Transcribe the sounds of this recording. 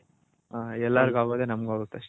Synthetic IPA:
aːɛlːaɾɡuaːɡoːd̪enɐmɡuaːɡot̪ːɐʂʈe

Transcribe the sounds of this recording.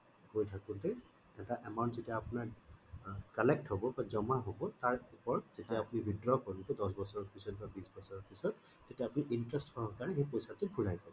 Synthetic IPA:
kojtʰakʊntɛ | ɛtaʔɛmaʊntzetiaːpʊnaɹ | kalɛk̚thobɔbazɔmaɦobɔtaɹupɔɹz̥etiaːpunibʱidɹɔkɔɹuntɛdɔsbɔsɔɹɔpisɔt̚babisbɔsɔɹɔpisɔtː | etiaːpuniʔintɹɛstsɔɦɔkaɹɛɦejpojsatʊbʱuɹajpɔbɔ

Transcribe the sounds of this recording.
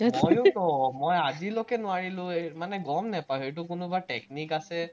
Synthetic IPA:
mɔjʊnɔmɔjazilɔkɛnʊaɹilʊ̃emanɛɡɔmnɛpajet̬ʊkʊnʊbaʈeknikasɛ

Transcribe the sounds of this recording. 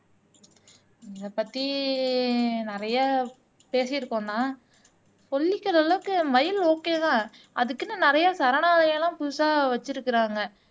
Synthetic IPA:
ɪðɐpɐt̪ːi | nɪɾɐjaː | peːsɐjɪɾɯkːõnnãː | pɔɭːɪkːɐlɐlːɐʋɯkːɯmɐjɪloːkːeːðãː | ɐ̰ðɯkːɪnːɯnɪɾɐjaːsɐɾɐɳaːðɐjlãːpʊɯsaːʋɐt͡ʃːɪɾɯkːɪɾaːŋɡɐ

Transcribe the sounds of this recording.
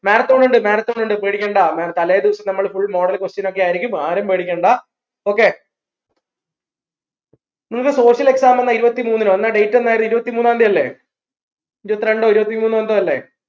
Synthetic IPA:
meːnɐt̪ːoːɳːuɳɖɨmeːnɐt̪ːoːɳɖuɳɖɨpeːɽikʲːeːɳɖaːmeːnɐt̪ːɐleːd̪iʋɐsɐmnɐmːɐɭfuɭːmo̞ːɽɐlkwost͡ɕɐno̞kːeaːjiɾikʲːumaːɾɐmpeːɽikʲːeːɳɖaː | o̞ːkːe̞ː | nimːɨkːɨso̞ːɕjɐle̞ksaːmenːɐiɾubɐt̪ːimuːnːinonːaɖe̞jtːonːaːjrðiɾubɐt̪ːimuːnːaːnd̪iɐlːe̞̰ː | iɾubɐt̪ːiɾe̞ɳɖo̞ːiɾubɐt̪ːimuːnːuʋɐnd̪oːɐlːe̞̰

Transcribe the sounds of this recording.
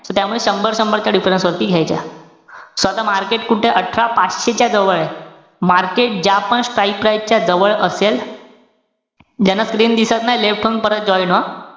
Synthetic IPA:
sɔt̪jamuɭeɕəmbəɾɕəmbəɭt̪jaɖifɾensʋəɾt̪iːɡʱjajt͡ɕa̰ | sʋat̪amaɾkeʈkuʈʰeʔəʈʰɾapat͡sɕet͡ɕjad͡zəʋəɭe | maɾkeʈ̚d͡ʑjapəɳsʈɾajpɾaj̚t͡ɕjad͡zəʋəɭəsel | d͡ʑanːaskɾiːnd̪isat̪najleʋʈʰəŋ̚pəɾət̪̚d͡ʑɔjnɔ

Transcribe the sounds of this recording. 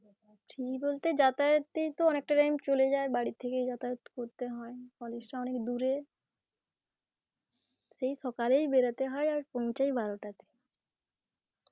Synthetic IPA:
pɾibolt̪ed͡ʑat̪at̪ːejt̪oɔnek̚ʈaʈajmt͡ɕoled͡ʑaebaɽit̪ʰːekejd͡ʑat̪aot̪koɾt̪eɦɔekɔleʃʈaɔnekd̪uɾe | ʃejʃɔkalejbeɾat̪eɦɔeaɾpɔwt͡ɕajbaɾoʈat̪e̥

